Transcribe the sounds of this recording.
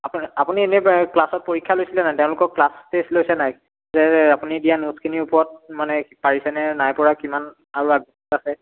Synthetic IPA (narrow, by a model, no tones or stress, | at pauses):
apapunienɛklasɔt̚poɹikʰːjalojsilɛnajtɛʊ̃lʊkɔklaspeslojsɛnaj | zɛapunidijanuskʰiniʊpɔɹɔt̚manɛpaɹisɛnɛnajpɔɹakiman | aɹuaɡɔsɔtasɛ